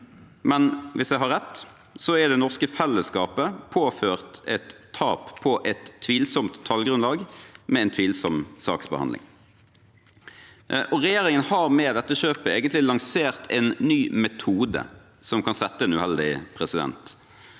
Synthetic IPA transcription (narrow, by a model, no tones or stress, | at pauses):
mɛnʋɪsjæɪɦɑɾʁɛt̪ː | sɔæd̪ɛnɔʁskəfɛlːəskɑːpəpʰoːføːʁt̪ɛt̪ʰːɑ̰ːppʰɔʔɛt̪ʰːʋiːlsɔmt̪ʰːɑlɡɾʉnlɑːɡmɛɛnt̪ʰʋiːlsɔmsɑ̰ːksbə̰hɑ̰nlɪ̰ŋ | ʔɔʁɛjeːɾɪŋənhɑʁmɛːd̪ɛt̪ːəʃøːpəeːɡənt̪lɪlɑŋseːʁt̪ʰɛnːyːmɛt̪ʰuːd̪ə̰ | sɔmkʰɑnsɛt̪ːəɛnʉhɛld̪ɪpʰʁɛsɪd̪ɛ̰nt̪